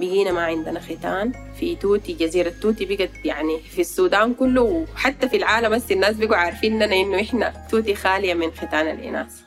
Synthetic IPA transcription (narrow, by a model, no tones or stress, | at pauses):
biɡiːnamaʕɪnd̪anaxit̪aːn | fit̪uːt̪id͡ʒaziːɾat̪ːuːt̪ibiɡat̪jaʕnifisːuːd̪aːnkulːuwħat̪ːafilʕaːlambasːinːaːs̬biɡuʕaːɾˤfiːnnːanaʔinːuʔɪħna̰t̪uːt̪̬ixaːlijaminxit̪aːna̰lʔḭna̰ːs